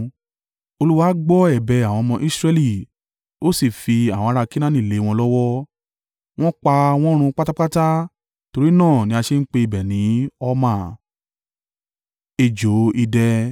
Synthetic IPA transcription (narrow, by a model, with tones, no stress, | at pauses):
o˧lu˦wa˦ɡ͡bɔ˦ɛ˦˨bɛ˧a˨w̃ɔ̃˧mɔ̃˧ʔi˦sɾɛ˧li˦˨ | o˦si˦˨fi˧a˨w̃a˧ɾa˧kĩ˦nã˦nĩ˦˨le˨˦˧w̃ɔ̃˧lɔ˦wɔ˦ | w̃ɔ̃˦k͡pa˧w̃ɔ̃˦ɾ̃ũ˧k͡pa˦ta˦k͡pa˦ta˦ | to˧ɾi˦nãː˦˨nĩ˦a˧ʃe˧n̩˦k͡pe˧i˧bɛ˨nĩ˨˦ɔ˧mãː˨ | e˧˨d͡ʒo˨˦i˧dɛ˧